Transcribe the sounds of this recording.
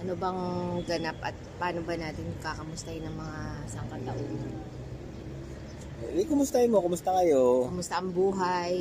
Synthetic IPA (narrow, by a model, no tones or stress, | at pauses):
ʔɐnobɐŋɡɐnapʔɐ̰t̪̚paːnobɐnaːt̪ɪnkakɐmʊst̪ahɪnɐŋmɐŋasɐŋkɐt̪ɐʔon | bkʊmʊst̪ahɪnmokʊmʊst̪ɐkɐjo̞kʊmʊst̪ɐʔɐŋbuːɦaj